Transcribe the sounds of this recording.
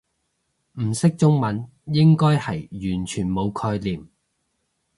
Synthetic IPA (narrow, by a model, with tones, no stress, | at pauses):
m̩˨˩sɪ˥k̚t͡sʊ˥ŋmɐ˨˥n | jɪ˥ŋkɔː˥jhɐ˨jjyː˨˩nt͡ʃʰyː˨˩nmo˨˧wkʰɔː˧jliː˨˩m